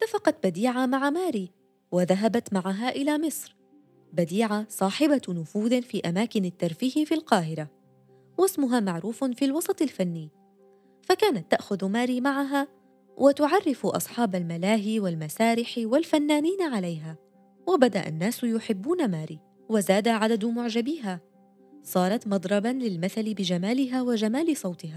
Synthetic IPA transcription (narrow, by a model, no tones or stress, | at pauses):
ɪt̪ːafɑqɑt̪̚bad̪iːʕamaʕamaːɾiː | waðaɦabat̪maʕaɦaʔɪlaːmɪsˤɾ | bad̪iːʕasˤɑːħɪbanʊfuːðfiːʔamaːkɪnat̪ːaɾˤfiːhɪfilqɑːɦɪɾa | wasmʊɦaːmaʕɾuːffilwɑsˤɑt̪ˤɪlfanːi | fakaːnat̪ːaʔxʊðmaːɾiːmaʕaɦaː | wʔɪt̪ʊʕɑrˤːɪfʔɑ̰sˤħɑːbalmalaːɦiwalmasaːɾɪħwalfanːaːniːnaʕalajɦaː | wabad̪aʔa̰nːaːsjʊħɪbːuːnamaːɾiː | wazaːd̪aʕad̪ad̪mʊʕd͡ʒabiːɦa | sˤɑːɾˤɑt̪mɑd̪ˤɾˤɑbanlɪlmaθalɪbɪd͡ʒamaːlɪɦaːwad͡ʒamaːlɪsˤɑwt̪ˤɪhaː